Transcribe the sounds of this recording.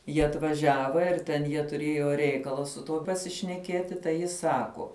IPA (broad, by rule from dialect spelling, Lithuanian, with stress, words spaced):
ˈjiɛ ɐtʋɐˈʒʲæːʋɐ ɪr tʲɛn ˈjiɛ tʊˈrʲeːjoː ˈrʲɛɪkɐlˠɐ sʊ ˈtuɔ pɐsʲɪʃʲnʲɛˈkʲiɛtʲɪ tɐɪ ˈjɪ ˈsɑːkoː